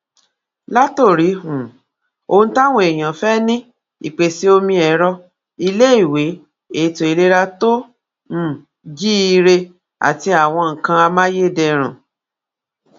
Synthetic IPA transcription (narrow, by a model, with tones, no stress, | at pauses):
la˦to˦˨ɾi˨˦hũ˨ | o˧n̩˦ta˦w̃ũ˦e˨j̃ã˨fɛ˦nĩ˦ | ḭ˨k͡pe˨si˦o˧mĩ˧ɛ˨˦ɾɔ˧ | i˧le˦i˦˨we˨˦ | e˦˨˦to˨i˧le˦ɾa˦to˦ | m̩˨ | d͡ʒi˦i˧ɾe˧ | a̰˨ti˧a˨w̃ɔ̃˧ŋ̩˨kã˧a˧mã˦je˦dɛ˧ɾ̃ã̰˨